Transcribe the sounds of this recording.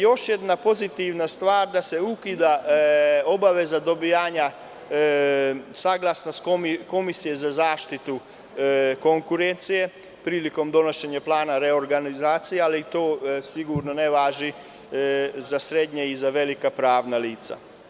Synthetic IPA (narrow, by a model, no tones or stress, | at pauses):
jo̞ʃjed̪napo̞zit̪iʋnast̪ʋaːɾd̪ase̞ukid̪a | obaʋezad̪o̞bijaːɲa | saɡlˠasnaskoiko̞misije̞zazaːʃt̪it̪u | ko̞ŋkuɾent̪sije̞ | pɾiːliko̞md̪o̞no̞ʃe̞ɲaplˠaːnaɾeoɾɡanizaːt̪sijealit̪o̞ːsiɡuɾnoneʋaːʒi | zasɾed̪ɲeizaʋe̞likapɾaːʋnaliːt̪sa̰